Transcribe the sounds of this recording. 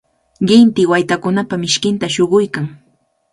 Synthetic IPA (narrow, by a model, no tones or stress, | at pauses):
ɢɪnt̪ɪwajt̪akʊnapamɪʃkɪnt̪aʃoɢʊjkaŋ